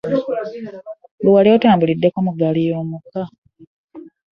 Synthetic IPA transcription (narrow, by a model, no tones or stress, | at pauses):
luwaliotaːmbulidːe̞komuɡalijo̞ːmuka